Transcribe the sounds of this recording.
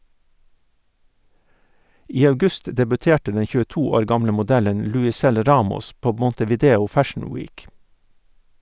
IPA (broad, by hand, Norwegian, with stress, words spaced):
ˈiː ɑʉˈɡʉst dɛbʉˈteːʈə ˈdɛn çʉːəˈtuː ˈoːɾ ˈɡɑmlə mʊˈdælən lʉɪˈsɛl ˈɾɑːmɔs ˈpoː mɔntəʋiːˈdeːʊ ˈfæʃn̩ ˈwiːk